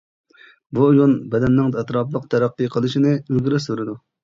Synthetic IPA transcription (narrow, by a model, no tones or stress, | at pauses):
bujonbɛd̪ɛnnːɪŋd̪ɛt̪ɾɑplˠəq̚t̪ʰɛɾæqːəqʰəlˠɨʃinɨyɡʲɾɛsyɾɪd̪u